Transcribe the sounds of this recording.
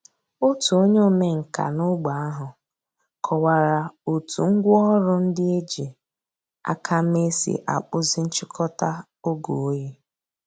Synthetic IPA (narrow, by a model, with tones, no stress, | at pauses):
o˦tu˨o˦ɲe˦˨me˦ŋ̩˨ka̰˨nʊ˦ɡ͡ba˨a˦ɦʊ˨ | kʰɔ˨wa˨ɾa˨o˨tṵ˨ŋ̩˦ɡʷʊ˦ɔ˦ɾʊ˦n̩˦dɪ˦e˦d͡ʒi˨ | a̰˦kʰa˦me˦sḭ˨ʔa̰˨k͡pʊ˦zɪ˦n̩˦t͡ʃɪ˦kʰɔ˦ta˦ | o˦ɡo˨o˦je˦